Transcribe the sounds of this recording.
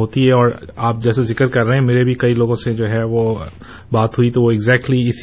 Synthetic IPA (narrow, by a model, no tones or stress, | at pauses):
ɦoːt̪iɦɛɔːɾaːp̚d͡ʒɛːsezɪkəɾkɐɾːɛɦeɛ̃meːɾebʱikɐiloːɡõsed͡ʒoːɦɛʋo | baːt̪ɦuit̪oʋoɪɡzɛːk̚ʈliɪs